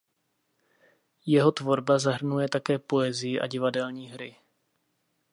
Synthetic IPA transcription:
jɛɦo̞t̪vo̞ɾbazaɦr̩nujɛt̪akɛːpo̞ɛzɪjɪʔa̰ɟɪvadɛlɲiːɦɾɪ

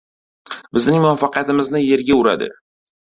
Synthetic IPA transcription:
bɪznɪŋmʊvafːɑqijat̪ɪmɪznɪje̞ɾɡʲaʊɾa̰d̪ɪ̰

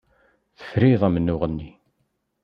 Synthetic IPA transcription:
θə̥fɾiðˤæmənːʊʁənːi

